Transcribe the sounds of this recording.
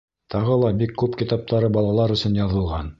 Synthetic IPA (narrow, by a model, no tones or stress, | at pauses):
t̪ʰɑʁɤlˠɑbikːʉpkit̪ɑp̚t̪ɑɾɤbɑlˠɑlˠɑɾɵ̆sɵnjɑðɤ̆lˠʁɑn